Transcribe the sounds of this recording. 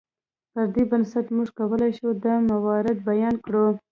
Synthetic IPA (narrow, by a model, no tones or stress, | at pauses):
pəɾd̪ebansat̪muʐkawəlajʃud̪əmawɑɾɪd̪̚bajɑnkɽu